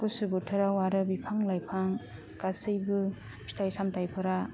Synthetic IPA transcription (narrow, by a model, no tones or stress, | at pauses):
kusɯbɯtʰɯɾawaɾɯbipʰaŋlajpʰaŋ | kasɯjbɯ | pʰi̥tʰajsamtajpʰɯɾa